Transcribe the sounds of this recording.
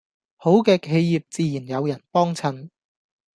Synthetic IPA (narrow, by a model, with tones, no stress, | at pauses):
ho˨˥wkɛː˧kʰe˨˧jji˨p̚t͡siː˨˧jiː˨˩njɐ˨˧wjɐ˨˩npɔː˥ŋt͡sʰɐ˨˥n